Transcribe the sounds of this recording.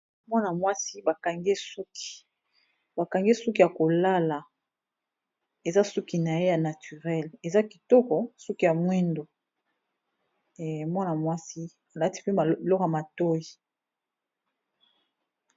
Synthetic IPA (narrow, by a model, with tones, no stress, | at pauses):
mwa˦na˨mwa˦si˦ba˨ka˨ŋɡe˦su˦ki̥˨ | ba˨ka˨ŋɡe˦su˦ki˦ja˨ko˨la˦la˨ | e˨za˦su˦ki˨na˨je˦ja˨na˨ty˨ʁɛ˦le˨za˦ki˨tɔ˦kɔ˨sɔ˦ki˦ja˨mwɛ˦ndo˨ | mwa˦na˨mwa˦si˦ | a˨la˦ti̥˦pe˦a˨lɔ˦ka˨ma˨to˦ji˨